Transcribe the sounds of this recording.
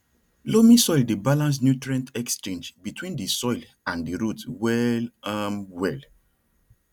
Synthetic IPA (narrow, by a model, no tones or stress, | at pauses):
lomĩsɔɪldebalãns̬njutɹɛ̃ntɛkst͡ʃẽnd͡ʒbitwĩndəsɔɪl | ãndəɹutwɛlãnwɛl